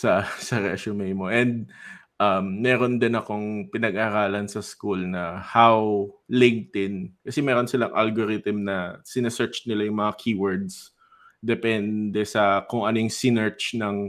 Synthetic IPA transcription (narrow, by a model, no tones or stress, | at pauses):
sɐsɐɾɛʃomejmoʔɛnd̪̚ | ʔɐmːɛːɾo̞nd̪ɪnɐko̞ŋpɪnɐɡ̚ʔaːɾaːlɐnsɐskulnɐhawlɪŋ̚t̪ɪnkɐsɛmɛːɾo̞nsɪlaŋʔa̰lɡoɾɪt̪ɪmnɐsɪnɐsɛɹt͡ʃnɪlajʊŋmɐŋakʰiːwɛɹd̪s | d̪ɛpɛnd̪ɛsɐkʊŋʔɐnoŋsɪnɛɹt͡ʃnɐŋ